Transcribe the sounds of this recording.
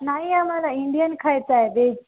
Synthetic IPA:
naːĩãmãlaɪ̃ɳɖijənkʰaet͡ɕaːeb̪eːd͡ʑ

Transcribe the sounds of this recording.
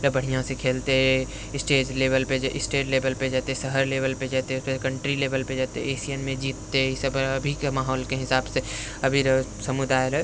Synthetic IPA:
ɾəbəɽ̤ijãsekʰeːlt̪eɦ | ɪsʈeːd͡ʒleːbəlped͡ʒʔɪsʈeːʈleːbəlped͡ʒaːt̪esəɦəɾleːbəlped͡ʒaːt̪eekəɳʈɾileːbəlped͡ʒaːt̪eeːsijənmẽd͡ʒiːt̪ːeisəbəbʱikmaːɦoːlkeɦɪsaːbse | ɐbʱiɾəsəmud̪aːɾə

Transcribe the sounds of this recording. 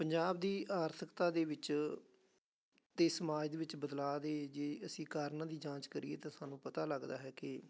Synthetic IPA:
pəɲd͡ʒaːbd̪iːʔaːɾt̪ʰəkt̪aːd̪eːʋɪt͡ʃ | t̪eːsəmaːd͡ʒd̪eːʋɪt͡ʃbəd̪laːd̪eːd͡ʒeːəsĩːkaːɾnãːd̪iːd͡ʒãːt͡ʃkəɾḭːḛːt̪ãːsaːnũːpət̪aːləɡd̪a̰ːɦɛːkɪ

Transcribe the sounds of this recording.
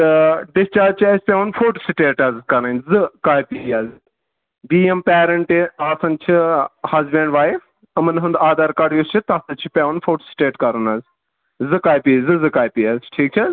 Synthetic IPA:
t̪ɨɖɪst͡ʃaːd͡ʒt͡ʃʰiɐspʲeʋɐnfʰoːʈsiʈeːʈɐzkɐɾnɐnzɨkaːjpijaːz | biːempɛːɾɐɳʈiaːsɐnt͡ʃʰihɐzbẽɳɖʋaːjif | ɐmɐnɦɨ̃nd̪aːd̪aɾkɐɽjust͡ʃʰit̪ɐsɐt͡ʃʰipʲeʋɐnfʰoːʈsi̥ʈeːʈkɐɾɐnɐz | zɨkaːjpiːzɨzɨkaːjpiːaːzʈʰiːk̚t͡ʃʰɐ

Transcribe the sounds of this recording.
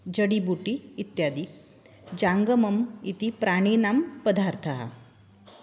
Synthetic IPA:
d͡ʑəɽibuʈiːt̪jad̪i | d͡ʑaŋɡəməmit̪ipɾaɽ̃enampəd̪ʱaɾt̪ʰaɦa̰

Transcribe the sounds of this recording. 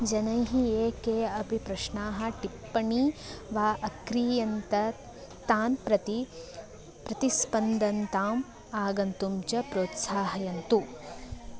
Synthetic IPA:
d͡ʒɐnɐjɦieːkeːɐpipɾɐʃɳaːɦɐ̆ʈipːɐɳiːʋaːʔɐkɾiːjɐnt̪ɐ | t̪aːnpɾɐt̪i | pɾɐt̪ispɐnd̪ɐnt̪aːm | aːɡɐnt̪umt͡ʃɐpɾoːt̪saːɦɐjɐnt̪u

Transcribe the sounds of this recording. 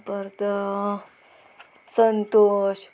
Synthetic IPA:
pəɾt̪ə | sənt̪oɕ

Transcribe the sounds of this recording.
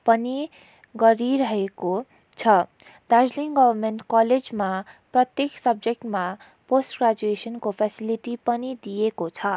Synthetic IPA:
pʌni | ɡʌɾiɾʌɦeko | t͡sʰʌ | d̪̥ad͡zliŋɡʌbʌrmenʈkʌled͡zmaprʌt̪jeksʌb̚d͡zek̚ʈma | posʈɡrad͡zuesʌnkopʰesiliʈipʌnid̪ijekot͡sʰʌ

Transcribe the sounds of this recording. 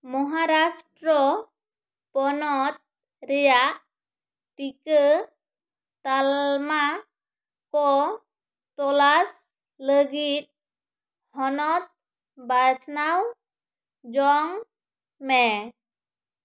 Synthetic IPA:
mɔɦaɾasʈɾɔ | pɔnɔt̪̚ | ɾɛjaʔ | ʈikə | t̪alma | kɔ | t̪ɔlas | ləɡit̪̚ | hɔnɔt̪̚ | bat͡ʃnaw | d͡ʒɔŋ | mɛ

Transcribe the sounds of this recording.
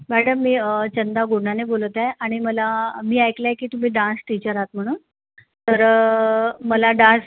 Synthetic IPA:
mæɽəmːiːət͡ɕənd̪aɡoɳanebolt̪aeʔaɽ̃iməlamiːajklaekiːt̪um̤iːɖãnsʈit͡ɕəɾat̪m̤əɽ̃uːn | t̪əɾ | məlaɖãns

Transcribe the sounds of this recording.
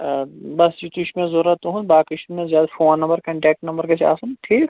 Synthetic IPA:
bɐsd͡ʒit̪uʃʰmẽzoːɾɐt̪uɦũnbaːkɪʃmẽzjaːd̪afoːnːɐ̃mbəɾkɐ̃ɳʈɛːk̚ʈnɐ̃mbəɾkɐt͡ʃa̰ːsɐnʈʰiːk

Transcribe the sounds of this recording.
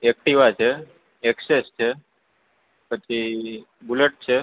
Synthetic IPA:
ek̚ʈiʋat͡ʃʰe | ɛksest͡ʃʰe | pət͡ʃʰi | buleʈ̚t͡ʃʰe

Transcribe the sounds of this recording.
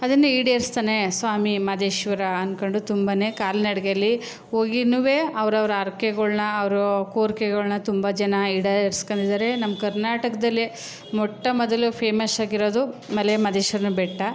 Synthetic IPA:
ɐd̪ɐnːuiːɽɐeɾst̪aːnesʋaːmimɐd̪eːʃʋɐɾɐɐnkoɳɖut̪umbɐnekaːlinɐɽɡeɐlːi | oːɡinuʋeːɐʋɐɾɐʋɐɾɐɐɾkeɡɐɭnɐːʋɐɾukoːɾkeɡɐɭnɐt̪umbɐd͡ʒɐnɐiːɽɐeɾskoɳd̪id̪aːɾenɐmɐkɐɾnaːʈɐkɐd̪ɐlːi | mɔʈːɐmɔd̪ɐlupʰeːmɐsaːɡiɾo̞ːd̪umɐlemɐd̪eːʃʋɐɾɐnubɛʈːɐ

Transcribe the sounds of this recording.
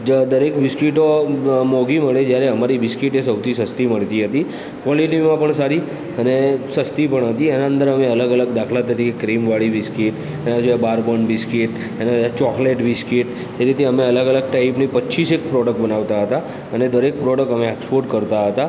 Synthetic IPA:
d͡ʒəd̪əɾekʋɪskiʈomɔɡiməɭed͡ʒjaɾeəmaɾiʋɪskiʈesəwt̪ʰisəst̪iməɭt̪iɦət̪i | kʋɔlilimãpəɳsaɾi | ənesəst̪ipəɳɦət̪iɛnaə̃nd̪əɾəmeələɡələɡd̪akʰlat̪əɾikekɾimʋaɭiʋɪskiʈ | ɛnad͡ʒojabaɾbonbɪskiʈ | ɛnet͡ʃɔkleʈbɪskiʈ | t̪eɾit̪ʰeəmeələɡələɡ̚ʈaɪpnipəːt͡ʃisekpɾɔɽək̚ʈbənaʋt̪aɦət̪a | əned̪əɾek̚pɾɔɽəkʈəmeekspoɾʈkəɾt̪aɦət̪a

